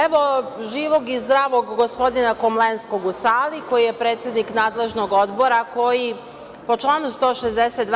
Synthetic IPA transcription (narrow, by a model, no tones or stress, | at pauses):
eʋo̞ʒiːʋo̞ɡizd̪ɾaːʋoɡːo̞spo̞d̪inakomlensko̞ɡusaːliko̞jije̞pɾe̞ːt̪sjed̪niknaːd̪le̞ʒnoɡo̞d̪bo̞ɾako̞ji | po̞t͡ʃlˠaːnust̪o̞ːʃezd̪eset̪d̪